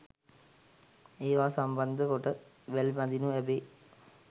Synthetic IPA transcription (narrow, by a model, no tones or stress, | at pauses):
eːʋaːsamband̪əkoʈə | ʋælmad̪inuɛbeː